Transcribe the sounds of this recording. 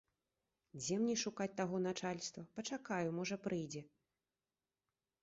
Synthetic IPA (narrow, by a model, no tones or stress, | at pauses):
d͡zʲɛmnʲɛʂukat͡sʲt̪aɣɔnat͡ʂalʲst̪vɐpɐt͡ʂakajumɔʐɐpɾʔɨjd͡zʲɛ